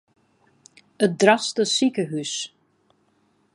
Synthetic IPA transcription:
ət̚drastəsikəɦys

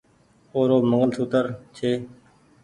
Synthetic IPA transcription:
oːɾoːməŋəlsuːt̪əɾt͡ʃʰeː

